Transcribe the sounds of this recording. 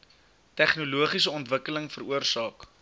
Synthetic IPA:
tæχnuluəχisəɔntvəkələŋfəruərsɑːk

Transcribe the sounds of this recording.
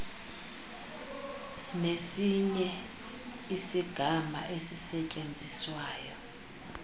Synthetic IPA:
nesiɲɛ | isiɡ̥ʱama̰ʔesisɛt͡ʃʼend͡zʱiswaːjɔ

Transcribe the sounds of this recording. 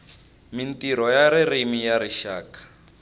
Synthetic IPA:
mintiɾɔjaɾirimijaɾiʃaːkḁ

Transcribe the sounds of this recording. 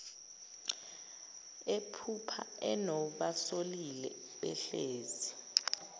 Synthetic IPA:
epʰupʰa̰ɛnɔɓasolilɛ | ɓɛ̰ɬeːzi

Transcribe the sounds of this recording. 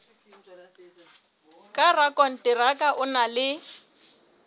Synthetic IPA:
kʼarakʼɔn̩tʼɪrakʼaʔʊnalɪ

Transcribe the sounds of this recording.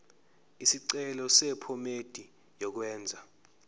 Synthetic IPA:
isiǀɛlɔsɛpʰɔmed̥ʱi | jɔk̬wɛːnd͡zʱa

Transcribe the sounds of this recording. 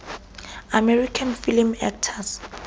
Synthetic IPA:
amɛrikʰanfilmɛ̰k̚tʰas

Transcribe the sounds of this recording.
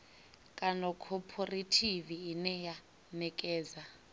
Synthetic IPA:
kʼanɔkʰɔpʰoretʰiviːnɛja | nɛkʼɛːza

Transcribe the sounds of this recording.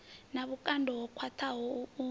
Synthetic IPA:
naɓukʼandʱɔwɔkʰwatʰaɦɔu

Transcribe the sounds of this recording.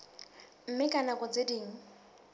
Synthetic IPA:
m̩mɪkʼanakʼɔt͡sediːŋ̩

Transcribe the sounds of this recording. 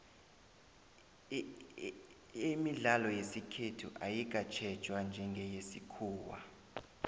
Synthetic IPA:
imiɮalɔjesikʰetʰṵʔajiɡ̥̬ʱʼat͡ʃʰɛ̥t͡ʃʼwand͡ʒʱɛŋɡʱɛjesikʰuːwa̰

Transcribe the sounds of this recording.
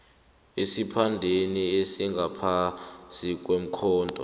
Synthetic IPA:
esipʰandʱeniesiŋɡʱapʰasik̬wem̩kʰɔːndʼʱɔ̰

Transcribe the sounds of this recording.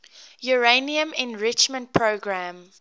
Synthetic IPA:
jɔɹẽniə̃mɪ̃nɹɪt͡ʃmə̃nt̚pʰɹoɡɹæ̃m

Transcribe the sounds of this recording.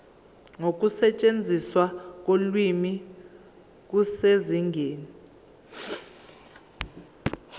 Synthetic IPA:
ŋok̬ʼusɛt͡ʃʼend͡zʱiswak̬olwimi | k̬useziŋʱeːni

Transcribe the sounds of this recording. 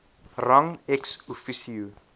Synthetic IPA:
raŋɛksufisiu

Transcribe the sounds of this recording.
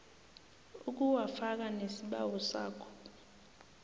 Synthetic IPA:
uk̬uwafak̬anesiɓa̰wɔsa̰ːkʰɔ̥

